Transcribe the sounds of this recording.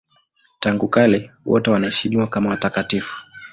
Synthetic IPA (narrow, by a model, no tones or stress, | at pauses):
taŋɡukalɛwɔtɛwanahɛʃimiwakamawatakatifu̥